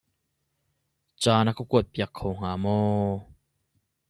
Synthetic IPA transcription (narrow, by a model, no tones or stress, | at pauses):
t͡saːnakokuət̪̚piəkʰːowŋ̥aːmɔː